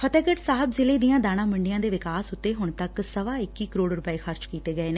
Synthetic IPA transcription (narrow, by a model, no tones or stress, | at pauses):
pʰət̪eːkəʈsaːɦəbzɪleːd̪ɪjãːd̪aːɽ̃ãːməɳɖɪjãːd̪eːʋɪkaːsʊt̪ːeːɦʊɳt̪əksəʋaːɪkːiːkəɾoːɽɾʊpəeːxəɾt͡ʃkiːt̪eːɡəeːneː